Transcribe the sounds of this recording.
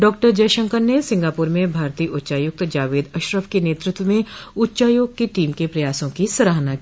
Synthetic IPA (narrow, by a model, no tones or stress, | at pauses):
ɖɔːk̚ʈəɾd͡ʒɐːʃə̃ŋkəɾnesɪ̃ŋɡaːpuːɾmẽbʱaːɾt̪iːʔʊtːʃaːjʊk̚t̪d͡ʒaːʋeːd̪ɐʃɾəʋkeneːt̪ɾɪt̪wəmẽʊtːʃaːjoːɡ̚keʈiːmkepɾɐjaːsõkisɐɾaːɦnaki